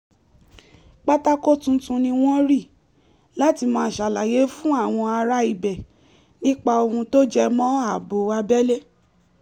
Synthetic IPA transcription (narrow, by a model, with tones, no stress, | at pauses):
k͡pa˦ta˦ko˦tũ˦tũ˧nĩ˧w̃ɔ̃˦ɾi˦˨ | la˨˦ti˧mɔ̃ː˧˦˨ʃa˨la˨je˨˦fũ˦a˦˨w̃ɔ̃˧a˧ɾa˧˦i˨bɛ˨ | nĩ˦k͡pa˧o˧hũ˧to˦d͡ʒɛ˧mɔ̃˦a˦˨bo˨˦a˧bɛ˦le˦